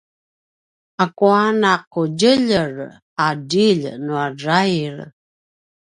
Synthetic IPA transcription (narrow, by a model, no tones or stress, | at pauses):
akuanaquɟəʎər | adiʎnuarajɾ